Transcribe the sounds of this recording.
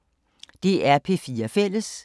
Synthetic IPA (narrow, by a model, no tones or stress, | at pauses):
d̥e̝ʔæɐpʰe̝fiːɐfel̰əs